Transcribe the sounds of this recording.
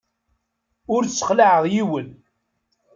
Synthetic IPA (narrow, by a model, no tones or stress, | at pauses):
ʊɾt͡sːə̥χlaʕəʁjiwən